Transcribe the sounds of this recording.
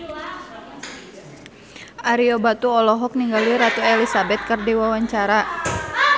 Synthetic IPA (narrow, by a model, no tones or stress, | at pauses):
ʔaɾiɔbat̪uɔlɔɦɔk̚niŋɡaliɾat̪uɛlisabɛt̪̚kɨrdiwawaɲt͡ʃaɾa